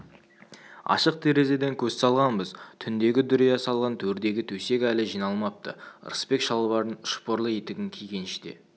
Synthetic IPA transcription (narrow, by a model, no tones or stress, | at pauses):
ɑ̰ʃəq̚t̪ʰe̞ɾe̞ze̞d̪eŋkʲʰɵz̥sɑlˠʁɑnbəzt̪ʰʏnd̪e̞ɡʲɪd̪ʏɾijɑsɑlˠʁɑnt̪ʰɵɾd̪e̞ɡʲɪt̪ʰɵse̞kʲælɪʒijnɑlˠmɑp̚t̪ə̰ɾə̰spe̞kʃɑlˠəβɑɾənʃpoɾlˠəe̞t̪ɪɡʲɪŋkʲʰejɡʲe̞nɪʃd̪ḛ